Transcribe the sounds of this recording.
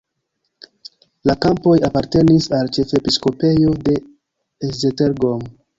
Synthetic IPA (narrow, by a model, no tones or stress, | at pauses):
lakampo̞japaɾte̞nisalt͡ʃe̞fepisko̞pe̞jo̞de̞ | ezeteɾɡom